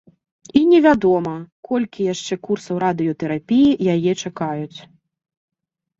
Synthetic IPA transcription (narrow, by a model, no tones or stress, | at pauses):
inʲɛvʲad̪ɔmɐkʰɔlʲkʲijaʂt͡ʂɛkursɐwɾad̪ɨjɔt̪ɛɾapʲijijajɛt͡ʂakajut͡sʲ